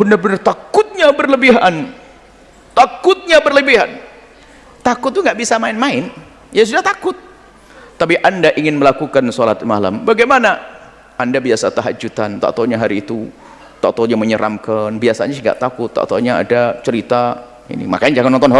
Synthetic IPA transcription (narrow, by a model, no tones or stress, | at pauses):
bəndarbənart̪akʊt̪̚ɲabərləbiɦan | t̪akʊt̪̚ɲabərləbiɦa̰n | t̪akʊt̪̚ːuŋɡaʔbisamaɪnmaɪn | jas̬udaht̪akʊt̪̚ː | apiʔandaʔiŋɪnməlakukansolat̪̚mala̰mbaɡajmana | ʔandabiasat̪aɦa̰d͡ʒut̪ant̪a̰t̪oɲaɦaɾiːt̪u | t̪a̰t̪oɲaməɲəɾʔa̰mkanbiasaɲaŋɡa̰ʔt̪akʊt̪ːa̰t̪aɲaa̰dat͡ʃəɾit̪a | ḭnḭma̰kaɲad͡ʒaŋanɔnt̪ɔnɦ